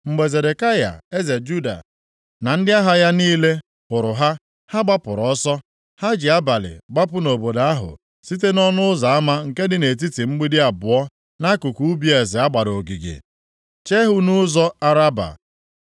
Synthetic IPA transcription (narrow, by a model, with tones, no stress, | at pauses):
ŋ͡m̩˨ɡ͡be˨ze˨de˨ka˦ja̰˨e˦ze˨d͡ʒu˦da̰˨ | na˨n̩˦dɪ˦a˦ɦa˦ja˦niː˦le˦ | pʊ˨ɾʊ˨ɦa˦ | ha˦ɡ͡ba˦pʊ˨ɾʊ˨ɔ˦sɔ˦ | ha˦d͡ʒɪ˨a˦ba˨lɪ̰˨ɡ͡ba˦pʊ˦no˨bo˨da˨a˦ɦʊ̰˨ | si˦t̬e˦nɔ˦nʊ˦ʊ˦za˨a˦ma˦ŋ̩˨ke˦dɪ˦ne˨t̬i˦ti˨ŋ͡m̩˦ɡ͡bi˦dɪ˦a˨bʊ˨ɔ˦ | na˦kʊ˨kʷu˦bi˦e˨zɪ˨a˦ɡ͡ba˨ɾo˨ɡi˨ɡḛ˨ | t͡ʃe˦ɦʊ˦nʊ˦zɔ˦a˦ɾa˦ba̰˨